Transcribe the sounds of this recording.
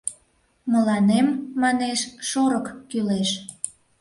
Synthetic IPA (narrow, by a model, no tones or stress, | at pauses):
mə̆lɑnemːɑneʃʃoɾəkkyleʃ